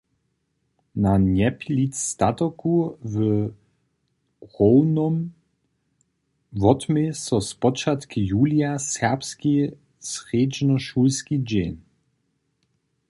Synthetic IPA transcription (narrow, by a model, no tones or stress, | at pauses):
naɲɛplit̪at̪ɔkʰuvə | ʁɔwnɔm | vɔt̪mesɔspɔt͡ʃat̪kijuːljasɛʁpski | sʁeːd͡ʒnɔʃulskid͡ʑɛn